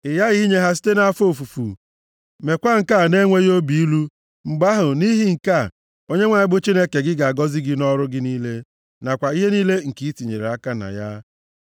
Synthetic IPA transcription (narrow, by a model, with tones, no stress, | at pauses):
ɪ˨ja˦ɣi˦ɲe˦ɦa˦s̬i̥˦te˦na˦fo˦˨fu˨fṵ˨ | me˨kʷa˦ŋ̩˨ka˦˨ne˦ŋʷe˦ɣjo˦bi˨i˦lu˦ | ŋ͡m̩˨ɡ͡ba˦ɦʊ˨ni˦ɦi˦ŋ̩˨ka˦˨ | o˦ɲe˦ŋʷa˨ɪ˦bʊ˦t͡ʃi˦ne˦ke˨ɡɪ˦ɡa˨a˨ɡɔ˦zɪ˦ɡɪ˦nɔ˦ɾʊ˦ɡɪ˦niː˦le˦ | na˨kʷa˨i˦ɦe˦niː˦le˦ŋ̩˨ki˦i˦ti˨ɲḛ˨ɾe˨a˦ka˦na̰˨ja˦